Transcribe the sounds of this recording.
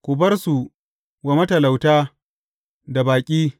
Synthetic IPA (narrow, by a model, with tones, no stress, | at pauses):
kʷʊ˨bɐ˦rsu˨ | wa˨mɐ˦tɐ˨la˨wtaː˦ | da˨baː˨kʲʼiː˦